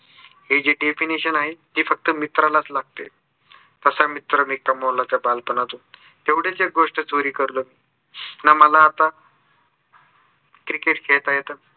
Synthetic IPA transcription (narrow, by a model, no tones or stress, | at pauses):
ɦed͡ʑiɖefiniɕənaɦed͡ʑiːfək̚t̪əmit̪ɾalat͡slaɡ̚t̪ḛ | t̪əsamit̪ɾəmiːkəmolat͡sabalpənat̪ũː | t̪eʋɽ̤et͡seɡoʂʈət͡soɾiːkəɾləmiː | naməlaːt̪a | kɾikeʈkʰeɭt̪ajet̪ə